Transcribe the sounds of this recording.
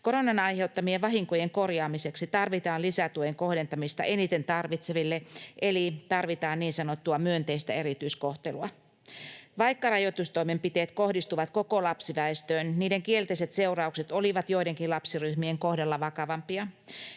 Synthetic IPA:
koɾonɑnɑiheut̪ːɑmieʋʋɑɦiŋkojeŋkorjɑːmiseksit̪ɑrʋit̪ɑːnlisæt̪uojeŋkohdent̪ɑmist̪ɑ̰ʔenit̪ent̪ɑrʋit̪seʋilːeʔelit̪ɑrʋit̪ɑːnniːnsɑnot̪ːuɑmyønt̪eist̪æeɾit̪yiskoht̪eluɑ | ʋɑikːɑrɑjot̪ust̪oimempit̪eːt̪kohdist̪uʋɑt̪kokolɑpsiʋæest̪øːnniːdeŋkielt̪eiset̪seurɑukset̪oliʋɑt̪joideŋkilɑpsiryhmieŋkohdɑlːɑʋɑkɑʋɑmpiɑ

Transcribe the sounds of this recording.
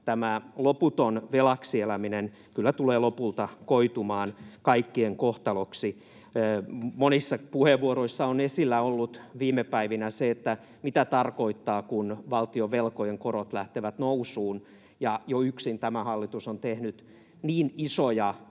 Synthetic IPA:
t̪æmæloput̪onʋelɑksielæminen | kylːæt̪uleːlopult̪ɑkoit̪umɑːnkɑikːieŋkoht̪ɑloksiː | monisːɑpuheʋʋuoɾoisːɑonesilːæolːut̪ʋiːmepæiʋinæseet̪ːæ | mit̪æt̪ɑrkoit̪ːɑːkunʋɑlt̪ioʋelkojeŋkorot̪læht̪eʋæt̪nousuːn | jɑjoyksint̪æmæhɑlːit̪usont̪ehnyt̪ | niːnisojɑ

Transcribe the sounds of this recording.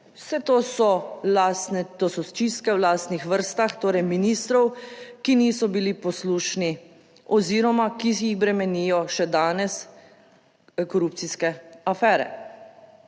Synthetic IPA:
wsɛt̪oːsɔlasnɛt̪oːsɔst͡ʃist̪kɛwlaːst̪nixʋəɾst̪axt̪oːɾɛjminiːst̪ɾɔwkiniːsɔbilipɔsluːʃni | ɔziɾɔmakisjixbɾɛmɛnijɔʃɛd̪aːnɛs | kɔɾup̚t̪siskɛafɛːɾɛ̰

